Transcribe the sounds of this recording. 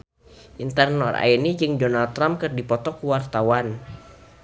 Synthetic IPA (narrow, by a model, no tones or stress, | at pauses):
ʔint̪ərnɔra̰inid͡ʒɨŋdonalt̪ːɾamp̚kɨrdipɔt̪ɔkuwart̪awan